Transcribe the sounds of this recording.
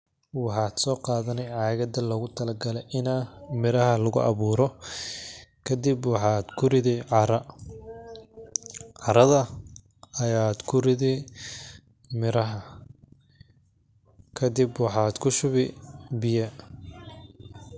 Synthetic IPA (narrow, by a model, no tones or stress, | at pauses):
wɑħɑːd̪sɔːqɑːðɐnɛjʕɑːɣɐd̪ɐlɔɣʊt̪ʰɐlɐɡɐlɛjʔɪnamɪɾɐhɐlɐɣʊ̰ʔɑ̰βuːɾɔ | kʰɐd̪ɪbwɑħɑːd̪kʰʊrɪðɪʕɑɾɐ | ʕɑɾɐðɐ | ɐjaːd̪kʰʊrɪðɛ | mɪɾɐɦɐ | kʰɐd̪ɪbwɑħɑːd̪kʰʊʃʊβɪbɪjɐ